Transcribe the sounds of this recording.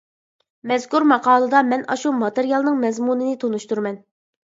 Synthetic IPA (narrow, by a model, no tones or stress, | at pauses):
mɛzkuɾmɑqɑːlˠɨd̪ɑmɛnɑʃumɑt̪eɾijɑlˠnɨŋmɛzmunɨnɪt̪ʰonuʃt̪uɾmɛn